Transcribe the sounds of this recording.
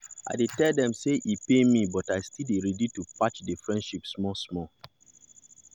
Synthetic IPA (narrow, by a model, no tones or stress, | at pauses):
a̰ɪdetɛldɛ̃mseʔipemibɔtaɪstʰileɾɛditupat͡ʃdefɹɛ̃ndʃipsmɔsmɔ